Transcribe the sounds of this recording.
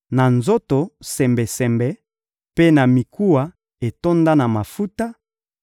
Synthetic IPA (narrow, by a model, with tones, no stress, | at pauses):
na˨nzo˦to˨sɛ˨mbɛ˨sɛ˨mbɛ˨ | pe˦na˨mi˨ku˦wa˨ | e˨to˦nda˦na˨ma˨fu˦ta˦